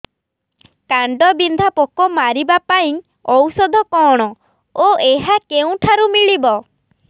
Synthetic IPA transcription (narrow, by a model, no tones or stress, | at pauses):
kaɳɖɔbind̪ʱapɔkɔmaɾibapaĩ | ɔwsɔd̪ʱɔkɔɽ̃ɔ | oeɦakeũʈʰaɾumiɭibɔ